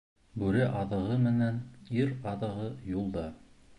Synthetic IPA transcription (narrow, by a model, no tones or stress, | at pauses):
bʉɾɘʔɑðɤ̆ʁɤmɘ̆næniɾɑðɤ̆ʁɤjulˠd̪ɑ